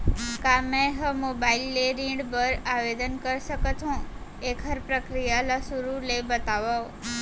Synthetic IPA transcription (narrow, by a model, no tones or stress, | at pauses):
kamẽɦəmobailːeɾĩɖbəɾaʋed̪ənkəɾʃəkət̪ɦũ | ekʰəɾpɾəkɾijaləsuɾulebət̪aʋo